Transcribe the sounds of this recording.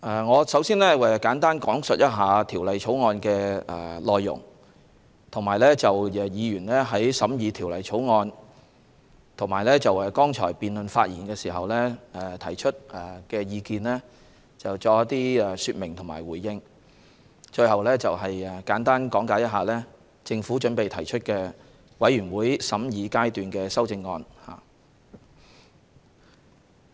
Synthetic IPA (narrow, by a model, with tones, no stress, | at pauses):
ʔɛ˨ŋɔː˨˧sɐ˨˥wsiː˥nlɛː˥ɛ˨kaː˨˥nt̪aː˥nkɔː˨˥ŋsɵ˨t̚jɐ˥t̚ɦaː˨˧t̪ʰiː˨˩wlɐ˨jt͡ʃʰo˨˥wŋɔː˧nkɛː˧ɛ̰˨˩lɔː˨jːʊ̰˨˩ŋ | t̪ʰʊ˨˩ŋmaː˨˩jlɛː˥t͡sɐ˨wɛ˨˩jiː˨˧jyː˨˩nlɛː˥ɦɐ˨˥jsɐ˨˥mjiː˨˧t̪ʰiː˨˩wlɐ˨jt͡ʃʰo˨˥wŋɔː˧n | t̪ʰʊ˨˩ŋmaː˨˩jlɛː˥t͡sɐ˨wɛ˧kɔː˥ŋt͡ʃʰɔ̰ː˨˩jpiː˨nlɵ˨nfa̰ː˧t̚jḭː˨˩nkɛː˧siː˨˩ɦɐ˨wlɛː˥˨˧t̪ʰɐ˨˩jt͡ʃʰɵ˥t̚ɛ˨kɛː˧jiː˧kiː˨nlɛː˥ | t͡sɐ˨wt͡ʃɔː˧˥t̪iː˥ɛ˨˧sy˧t̚mɪ˨˩ŋt̪ʰʊ˨˩maː˨˩jwuː˨˩jːɪ˧ŋ | t͡ʃɵ˧ɥhɐ˨wlɛː˥t͡sɐ˨wɦɐ˨jɛ˨kaː˨˥nt̪aː˥nkɔː˨˥ŋkaː˨˥jɐ˥t̚ɦaː˨˩lɛː˥ | t͡sɪ˧ŋfuː˨˥t͡ʃɵ˨˥npe˨jt̪ʰɐ˨˩jt͡ʃʰɵ˥t̚kɛː˧ | wɐ˨˥jɥyː˨˩nwuː˨˥jsɐ˨˥mjiː˨˧kaː˥jt̪yː˨nkɛː˧sɐ˥wt͡sɪ˧ŋːɔː˧nha̰ː˨˩